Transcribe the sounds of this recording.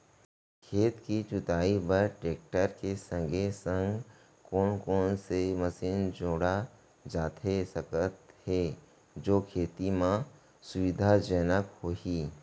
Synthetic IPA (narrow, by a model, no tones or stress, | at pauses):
kʰeːt̪kit͡ʃʊt̪aːibəɾʈɾeːk̚ʈəɾkesə̃ŋɡʱesə̃ŋɡ | kɔːnkɔːnseməsiːnd͡ʒoːɽa | d͡ʒaːt̪ʰesəkət̪he | d͡ʒoːkʰeːt̪imã | sʊʋɪd̪ʱad͡ʒɛːnəkhoɦiː